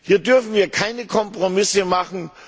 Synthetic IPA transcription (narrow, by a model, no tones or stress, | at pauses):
hiːɐdʏɐfn̩viːɐkʰaɪnəkʰɔmpʁ̥omɪsəmaχn̩